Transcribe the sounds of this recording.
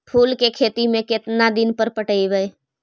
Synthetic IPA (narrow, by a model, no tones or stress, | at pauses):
pʰuːlkekʰeːt̪imẽkɪt̪nad̪ɪnpəɾpəʈəiʋəj